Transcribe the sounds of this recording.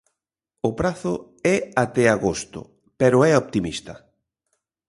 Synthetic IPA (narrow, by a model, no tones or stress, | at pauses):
ʊpɾaθʊ | ɛat̪ɛaɣost̪ʊ̰ | pɛɾʊɛopt̪imist̪ɐ